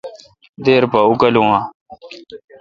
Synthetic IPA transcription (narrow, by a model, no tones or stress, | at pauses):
d̪eːɾpaukɐlũːãː